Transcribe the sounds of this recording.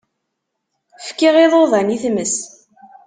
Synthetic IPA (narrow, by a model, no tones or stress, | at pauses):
fkiʁɪðˤoðˤæniθməs